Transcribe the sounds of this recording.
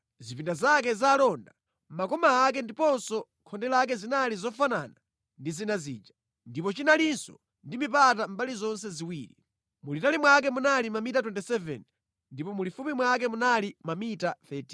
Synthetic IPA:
zipindazakɛzalɔnda | makɔmaːk̬ɛndipɔnsɔ | kʰɔndɛlaːk̬ɛzinalizɔfanana | ndizinazḭːd͡ʒa | ndipɔt͡ʃinalinsɔ̰ | ndimip̬atam̩balizɔnsɛziwiːɾḭ | mulitalimwak̬ɛmunalimamitatwɛntɛsɛvɛ̰n | ndipɔmulifumimwak̬ɛmunalimamitaθɛti

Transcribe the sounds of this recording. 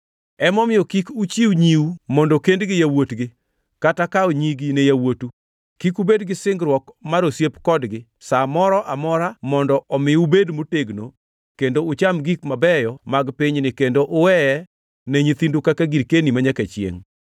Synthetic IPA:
ɛmɔmɪjɔkikut͡ʃiwɲiumɔndɔkendɡɪjawotɡɪ | katakaoɲiɡinejawotu | kikubedɡɪsɪŋɡɾwɔkmaɾosjepkɔdɡɪ | samɔɾɔʔamɔɾamɔndɔʔɔmɪubedmoteɡno̰ | kendoʊt͡ʃamɡikmabɛjɔmaɡpiɲnɪkendoʔʊwɛɛ | nɛɲit̪indukakaɡiɾkenimaɲaket͡ʃjḛŋ

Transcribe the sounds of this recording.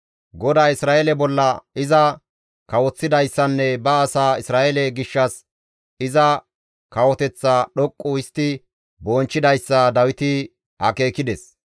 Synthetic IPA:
ɡɔd̪aːɪsɾaːelɛbɔlːɐɪzɐ | kɐwɔt͡sːɪd̪ɐjsːɐnːɛbɐːsaːɪsɾaːʔɛlɛɡɪʃːɐs | ɪzɐ | kɐwɔt̪ɛt͡sːaɗɔkʼːʊɪst̪ːɪ | boːnt͡ʃːɪd̪ɐjsːɐd̪ɐwɪt̪ɪ | hɐ̰ke̞ːkɪd̪ɛs

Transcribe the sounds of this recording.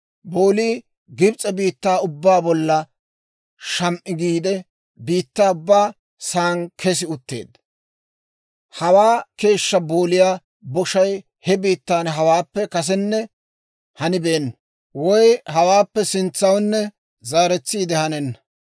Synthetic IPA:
bo̞ːliː | ɡɪbt͡sʼɛbiːt̪ːaːʊbːaːbɔlːɐ | ʃɐmʔɪɡiːd̪ɛ | biːt̪ːaːʊbːaː | saːŋkʰɛs̬ɪʊt̪ːe̞̰ːd̪ɐ | hɐwaːke̞ːʃːɐbo̞ːlɪjaː | bɔʃɐj | hɛbiːt̪ːaːnɦɐwaːpːɛkɐs̬ɛnːɛ | hɐnɪbeːnːɐ | wɔjhɐwaːpːɛsɪnt͡sːɐwnːɛ | zaːɾɛt͡sːiːd̪ɛhɐnɛnːɐ

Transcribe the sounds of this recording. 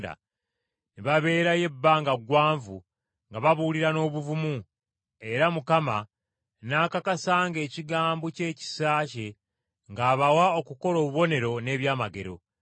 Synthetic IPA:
da̰ | niβaβe̞ːɾaje̞bːaːŋɡaɡwaːɱvu | ŋɡaβaβuːliɾano̞ːβuvumu | e̞ɾamukama | naːkakasaːŋɡe̞ːciɡaːmboce̞ːci̥saːce̞ | ŋɡaːβawao̞kuko̞lo̞ːβuβo̞ne̞ɾo̞ne̞ːβjaːmaɡe̞ɾo̞̰

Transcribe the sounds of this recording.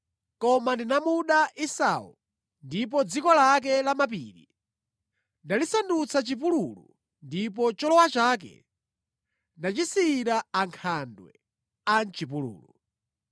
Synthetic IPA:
kɔmandinamuɗaʔisa̰ːṵ | ndip̬ɔd͡zikɔlak̬ɛlamap̬iːɾḭ | ndalisandut͡sʰat͡ʃip̬ululu | ndip̬ɔt͡ʃɔlɔwat͡ʃaːkɛ̰ | ndat͡ʃisiːɾaaŋkʰandwɛ̰ | ant͡ʃip̬ulṵːlu

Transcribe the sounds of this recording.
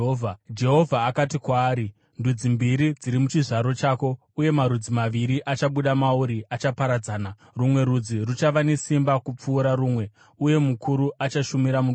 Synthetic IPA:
vʱad͡ʒe̞ɦo̞vʱaːkatikwaːɾi | ndud͡zimbiɾid͡ziɾimut͡ʃiʐaɾo̞t͡ʃaːko̞ | uje̞maɾud͡zimaʋiɾiʔat͡ʃaɓuɗamauɾiat͡ʃapaɾad͡zaːna | rumwe̞ɾud͡zirut͡ʃaʋane̞simbakup͡fuːɾaɾuːmwe̞ | uje̞mukuɾuʔat͡ʃaʃumiɾamu

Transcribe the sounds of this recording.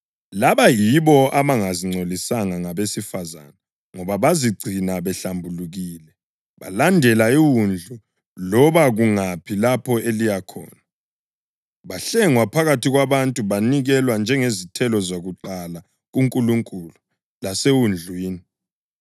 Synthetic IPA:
laβajiβɔaβaŋaziŋ͡ǀʱolisaŋaŋaβesifaza̰na | ŋɔβaβaziɡ͡ǀʱinaβɛɬambʱuluɣiːlɛ | βa̰landʱɛlaiwund͡ɮʱu | lɔβaɣuŋapʰilapʰɔelijakʰɔ̰ːna | βaɬɛŋwapʰaɣatʰiɣwaβantʼuβaniɣɛlwand͡ʒʱɛŋezitʰɛlɔzoɣuǃala | ɣuŋkʼuluŋkʼulu | lasewund͡ɮʱwiːni

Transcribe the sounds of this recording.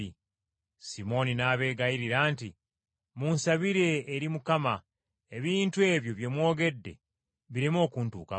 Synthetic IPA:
simo̞ninaːβe̞ːɡajiɾiɾaːnti | muːnsaβiɾe̞ːɾimukama | e̞βiːntue̞ːβjo̞βje̞mwo̞ːɡe̞dːe̞̰ | βiɾemo̞ːkuːntuːka̰

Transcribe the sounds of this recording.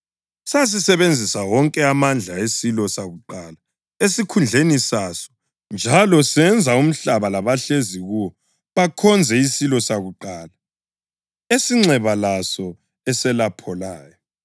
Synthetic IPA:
sas̬isɛβend͡zʱisawɔŋkʼɛamand͡ɮʱaesilɔsaɣuǃala | esikʰund͡ɮʱenisasɔ̥ | nd͡ʒʱalɔsɛnd͡zʱaum̩ɬaβalaβaɬeziɣuwɔ | βakʰɔnd͡zʱɛisilɔsaɣuǃaːla | esiŋ͡ǁɛβalasɔ | ɛsɛlapʰɔlaːjɔ

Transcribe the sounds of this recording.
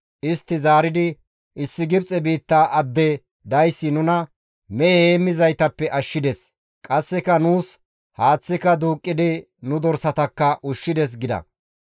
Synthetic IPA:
ʔɪst̪ːɪzaːɾɪd̪ɪ | ɪsːɪɡɪbt͡sʼɛbiːt̪ːaːʔɐd̪ːɛ | d̪ɐjsːɪnʊnɐ | mɛɛheːmːɪzɐjt̪ɐpːɛʔɐʃːɪd̪ɛs | kʼɐsːɛkɐnuːs | haːt͡sːɪkɐd̪uːkʼːɪd̪ɪ | nʊd̪ɔɾsɐt̪ɐkːɐʔʊʃːɪd̪ɛs̬ɡɪd̪ɐ̰

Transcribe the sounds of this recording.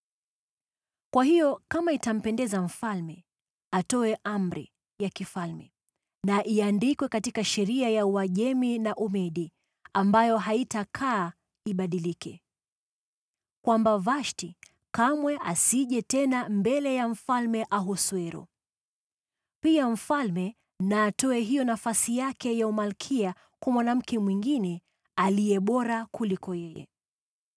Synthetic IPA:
kwaɦijɔkamaitam̩pɛndɛzam̩falmɛ | atɔɛʔamɾḭ | jakifalmɛ | naʔiandikwɛkatikaʃɛɾiajauwaʄɛminaʔumɛɗi | ambajɔɦaitakʰaː | iɓaɗilikɛ | kwambavaʃti | kamwɛʔasiʄɛtɛnambɛlɛjaɱ̩falmɛʔaɦɔswɛɾɔ̰ | piaɱ̩falmɛ | naːtɔɛɦijɔnafasijakɛjaumalkʰia | kwamwanam̩kɛmwiŋɡinɛ | aliɛɓɔɾakulikɔjɛjɛ̰

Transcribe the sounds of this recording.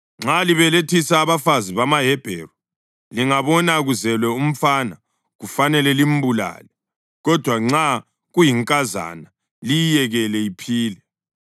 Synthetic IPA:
ŋ͡ǁaliβɛletʰisaːβafaziβamaɦɛb̥ʱɛ̰rɔ | liŋaβɔnaɣuzɛlwɛum̩fana | ɣufanɛlɛlim̩bula̰ːlɛ | ɣɔd̥ʱwaŋ͡ǁa | ɣujiŋkʼaza̰na | lijjɛɣɛlɛipʰiːlɛ

